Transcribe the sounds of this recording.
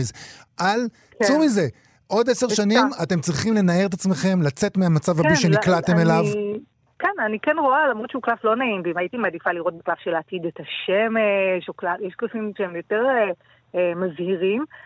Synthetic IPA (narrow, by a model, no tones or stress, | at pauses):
zʔal | ksumize̞ | ʔo̞d̪ese̞ʁʃanimate̞mt͡sʁiχimle̞nae̞ʁet̪at͡sme̞χe̞mlat͡se̞t̪meamat͡savhabiʃe̞niklat̪e̞melav | kenanikenʁo̞alamʁodt͡ʃeuklaflo̞naimbiimajitimad̪ifaliʁo̞t̚beklafʃelaat̪id̪et̪aʃemeʃoklajeʃklasimʃeemjo̞te̞ʁe | mazhiʁim